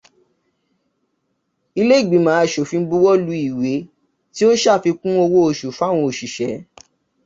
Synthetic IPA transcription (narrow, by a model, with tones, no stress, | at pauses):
i˧le˦i˦˨ɡ͡bĩ˨˦mãː˨˦˨ʃo˨fĩ˧˦bu˦wɔ˦lu˨˧˦i˦˨we˨˦ | ti˦o˦ʃa˦˨fi˧kũ˦o˧wo˦o˧˨ʃu˨fa˦˨w̃ɔ̃˧o˨ʃi˨ʃɛ˨˦